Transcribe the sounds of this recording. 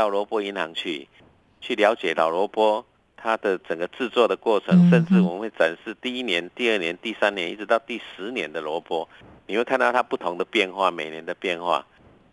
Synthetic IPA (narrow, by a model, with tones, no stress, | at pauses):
t̪ɑ˥˩ʊlwɔ˧˥pwɔ˥i˧˦nhɑ̰˧˦ŋt͡ɕʰy̰˥˩ | t͡ɕʰy˥˩lja˧˥ʊt͡ɕjɛ˨˩la˨˩ʊlwɔ˧˥pwɔ˥ | t̪ʰa˦d̪ə˨t͡sə˨˩ŋɡə˦t͡sɹ̩˥˧t͡swɔ˥˩d̪ə˩kwɔ˥˩t͡sʰɤ˧˥ŋʂə˥˧nʈ͡ʂɻ̩˥˩wɔ˨˩mə˦nwe˥˩ɪʈ͡ʂa˨˩nʂɻ̩˥˧t̪i˥˧i˦˥njɛ˧˦nt̪i˥˧ə˥˩njɛ˧˦nt̪i˥˩sa˦njɛ˧˦ni˥˩ʈ͡ʂɻ̩˧˦t̪ɑ˥˧ʊt̪i˥˩ʂɻ̩˧˦njɛ˧˦nd̪ə˨lwɔ˧˥pwɔ˥ | ni˨˩xwe˥˧ɪkʰnt̪ɑ˥˩a˥pu˥˩t̪ʰo˧˥ŋd̪ə˨pjɛ˥˧nxwa˥˨mẽ˨˩ɪnjɛ˧˦nd̪ə˨pjɛ˥˧nxwa̰˥˩